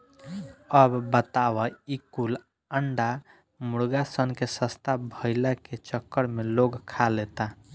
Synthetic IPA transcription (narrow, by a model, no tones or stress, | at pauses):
əbbət̪aʋəikul | əɳɖa | muɽɡasənkesəst̪ʰabʱəɪlaket͡ʃəkːəɾmeloɡkʰalet̪a